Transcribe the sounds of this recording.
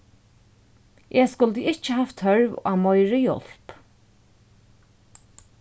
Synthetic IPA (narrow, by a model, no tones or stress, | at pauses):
ʔeːskʊlt̪əɪt͡ʃəhaft̪hœɹʋa̰ːmɔjɹəjɔ̰l̥p